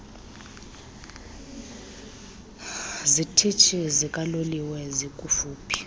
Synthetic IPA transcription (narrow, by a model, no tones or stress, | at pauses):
zitʰit͡ʃʰizikʼaloliwɛzikʼufuːpʰi̥